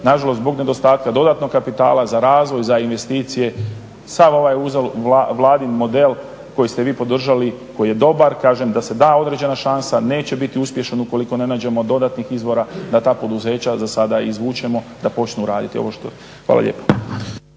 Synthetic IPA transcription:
naʒalost̪bo̞ɡne̞d̪o̞st̪aːt̪̚kad̪o̞d̪at̪no̞kkːapit̪a̰ːlˠazaɾaːzʋo̞jzainʋe̞st̪iːt̪sije̞ | samo̞ʋajuzolaʋlˠaːd̪inmo̞d̪e̞l | ko̞jist̪eʋiːpo̞d̪r̩ʒaliko̞jije̞d̪o̞baɾkaːʒemd̪ase̞d̪aːo̞d̪ɾe̞d͡ʑe̞naʃansane̞ːt͡ɕe̞bit̪iuspje̞ʃanuko̞liko̞ne̞naːd͡ʑe̞mo̞d̪o̞d̪at̪nixizʋo̞ɾad̪at̪aːpo̞d̪uze̞ːt͡ɕazasad̪aizʋuːt͡ʃe̞mo̞d̪apo̞t͡ʃnuːɾaːd̪it̪io̞̰o̞ʃt̪o | xʋa̰ːla̰ʎḛːpo

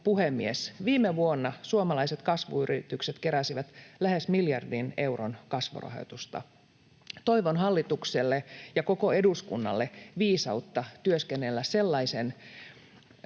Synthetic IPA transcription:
puhemːiesʋiːmeʋuonːɑsuomɑlɑiset̪kɑsʋṵyɾit̪ykset̪keɾæsiʋæt̪læhesmiljɑrdine̞uro̰nkɑsʋṵrɑ̰ho̰t̪ust̪ɑ̰ | t̪o̞iʋonɦɑlːit̪ukselːejɑko̞ko̞eduskṵnːɑ̰lːeʋiːsɑut̪ːɑt̪yøskenːelːæsse̞lːɑisen

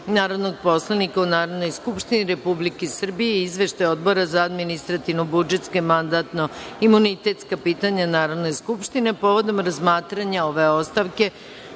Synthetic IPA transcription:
naːɾo̞d̪no̞ɡ̚po̞slˠanikaunaːɾo̞d̪no̞jskupʃt̪iniɾe̞publikesr̩bijeizʋe̞ʃt̪ajo̞d̪bo̞ɾazaad̪minist̪ɾat̪iʋnobud͡ʒe̞t̪ske̞mand̪at̪no̞imunit̪e̞t̪skapiːt̪aɲanaːɾo̞d̪no̞jskupʃt̪ine̞po̞ʋo̞d̪o̞mɾazmaːt̪ɾaɲaoʋe̞o̞st̪aʋke̞

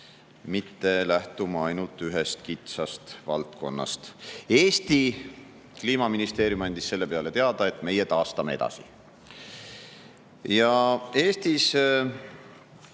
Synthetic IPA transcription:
mit̪ːe̞læht̪umɑɑjnult̪ːˑyɦest̪kit̪sɑst̪vɑ̰lt̪̚ko̞̰nːɑ̰st̪eːst̪i | kliːmɑminist̪e̞ːɾjumɑnʲd̪̥isse̞lːe̞pe̞ɑle̞t̪e̞ɑd̪̥ɑe̞t̪ːˑme̞jet̪ɑːst̪ɑme̞e̞d̪̥ɑ̰sḭ | jɑe̞ːst̪is

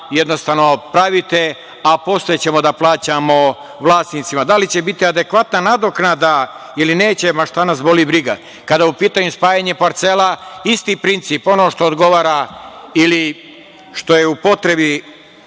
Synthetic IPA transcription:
jed̪nost̪aʋnopɾaʋit̪e | apo̞st̪ot͡ɕe̞mo̞d̪aplˠaːt͡ɕamo̞ | ʋlˠaːst̪niːt̪simad̪alit͡ɕe̞bit̪iad̪ekʋat̪nanad̪oknad̪a | iline̞ːt͡ɕemaʃt̪anasbo̞libɾiɡa | kad̪aupiːt̪aɲuspaːjaɲepaɾt̪selaist̪iːpɾint̪siːpo̞no̞ːʃt̪o̞ːd̪ɡo̞ʋaːɾaili | ʃt̪o̞je̞upo̞t̪ɾe̞bi

